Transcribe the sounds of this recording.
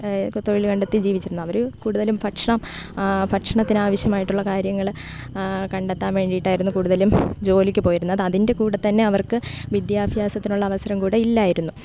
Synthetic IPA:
t̪o̞ɻilkɐɳɖet̪ːid͡ʑiːʋit͡ɕːiɾunːuɐʋɐɾukuːɽuðɐlumpɐʈʂɐɳɐmpɐʈʂɐɳɐt̪ːinaːʋɐɕjɐmaːjiʈːuɭːɐkaːɾjɐŋːɐɭ | kɐɳɖet̪ːaːnʋe̞ːɳɖijiʈːaːjiɾunːukuːɽuðɐlumd͡ʑo̞ːlikʲːɨpo̞ːjiɾunːɐðɐðinde̞kuːɽɐt̪ːɐnːe̞ɐʋɐrkɨʋid̪jaːbʱjaːsɐt̪ːinuɭːɐːʋɐsɐɾɐmkuːɽeilːaːjiɾunːu

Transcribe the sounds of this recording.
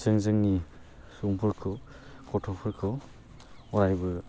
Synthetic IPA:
zɯŋzɯŋni | suŋpʰɯɾkʰɯw | kʰɔtʰɔpʰɯɾkʰɯw | ɔɾajbɯ

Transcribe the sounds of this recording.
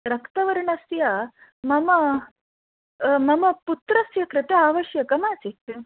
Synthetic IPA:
ɾɐkt̪ɐʋɐɾɳɐsjɐ | mɐmɐ | mɐmɐput̪ɾɐsjɐkɾɪt̪eaːʋɐʃjɐkɐmaːt͡sit̪

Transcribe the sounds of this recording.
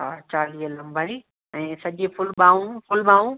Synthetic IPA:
ɦaːt͡ɕaːliːəlɐ̃mbʱai | ɛ̃ːsɐʄepʰʊlɓaːũpʰʊlɓaːũ

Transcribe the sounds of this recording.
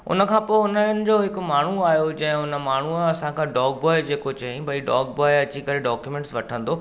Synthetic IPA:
ʊ̰nəkʰãːpoːɪʊnəənɪ̆d͡ʑoːɦɪkʊ̆maːɳ̤uaːɦjod͡ʑɐ̃ɦɪ̃ʊnə̆maːɳ̤uɐsãkʰãːɖɔːk̚bɔːɪd͡ʑeːkot͡ɕɐɦĩbɐiɖɔːk̚bɔːɪɐt͡ɕikɐɾeɖɔːkjumẽːɳʈsʋɐʈʰə̃nd̪o

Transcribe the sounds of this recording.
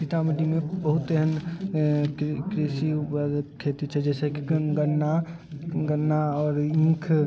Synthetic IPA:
kit̪aməʈimẽbəɦʊt̪əɦən | kɾeːsikʰeːt̪ut͡ʃʰɛd͡ʒɛːsekiɡɡəna | ɡənaɔːɾĩːkʰ

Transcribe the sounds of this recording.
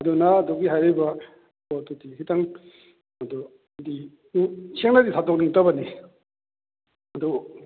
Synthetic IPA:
ɐdunaːduɡiɦajɾiba | dudikitaŋ | ɐdu | di | seŋnaditʰatok̚niŋtabɐni | ɐdu

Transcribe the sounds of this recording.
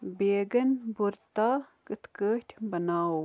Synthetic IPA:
beːɡɐnbuɾt̪aːkət̪kət̪ʲbɐnaːw

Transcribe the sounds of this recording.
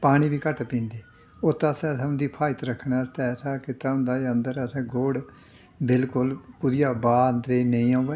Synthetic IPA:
paːɽ̃iːbiːkəʈpĩːnd̪eː | oːt̪ːãːsɛ̃ːsaʊ̃nd̪iːpʰaːɪt̪ɾəkʰːɳaːt̪ɛːsaːkɪt̪aːʊ̃ːnd̪aːeənd̪əɾəsɛ̃ːɡoːɽ | bɪlkʊlpʊɾɪjaːbaːənd̪ɾeːnəĩːãːʋɛː

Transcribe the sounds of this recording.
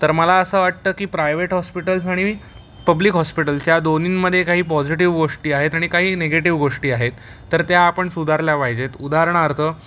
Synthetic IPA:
t̪əɾməlaəsəːʋaʈ̚t̪əːkiːpɾajʋeʈɦɔspiʈəlsaɽ̃i | pəbliːkɦɔspiʈəlsjad̪oniːnməd̪ʱːjekaɦiːpɔd͡ʑiʈ̬iʋɡoʂʈiːaɦet̪aɽ̃ikaɦiːneɡeʈiʋɡoʂʈiːaɦet̪ː | əɾt̪jaːpəɳsud̪ʱaɾljapaɦjd͡ʑet̪ud̪aɦɾəɳ̃aɾt̪ʰəː

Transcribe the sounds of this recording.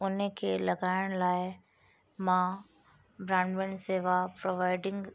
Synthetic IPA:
ʊnəkʰeːlɐɡaːɪɽ̃laːɪ | mã | bɾãːɳɖʋɪnseːʋapɾoʋaːɪɖɪ̃ŋɡ

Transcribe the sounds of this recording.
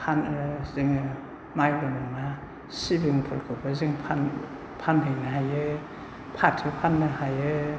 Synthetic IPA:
hʰanziŋ | majdɔnɔŋna | sibiŋpʰɯlkʰɯbʰaziŋpʰan | pʰanɦɯjnaɦajɯ | pʰatʰɯpʰanːɯhajɯ

